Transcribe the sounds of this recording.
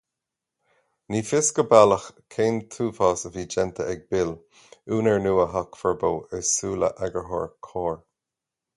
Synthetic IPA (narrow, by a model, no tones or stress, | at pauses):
niːfɪskəbaləxkʰeːnt̪ʰuːfɑːsəviːd͡ʒɛnt̪ʰəɛɡ̚bɪl | uːnəɹnuːəɦakfɛɹbowɛsuːlə̰ʔaɡəɦɔ̰ːɹkʰɔːɹ